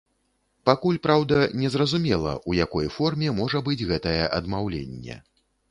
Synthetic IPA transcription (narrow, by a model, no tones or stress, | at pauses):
pakulʲpɾawd̪ɐnʲɛzrɐzumʲɛlˠɐ̰ʔujakɔjfɔrmʲɛmɔʐɐbɨd͡zʲɣɛt̪ɐjɛʔɐd̪mawlʲḛnʲːɛ̰